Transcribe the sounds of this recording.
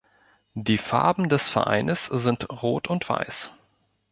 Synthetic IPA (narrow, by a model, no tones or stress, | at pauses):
d̥iːfa̰ɐbm̩dɛsfɛɐʔa̰ɪnəszɪntʁoːtʊntv̥a̰ɪs